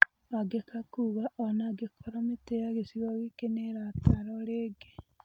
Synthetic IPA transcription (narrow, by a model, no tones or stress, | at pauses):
aɡekakuːɣaʔɔnaɡekʰɔɾameteaɣesiɣɔɣekeneɾataɾɔɾeːɡe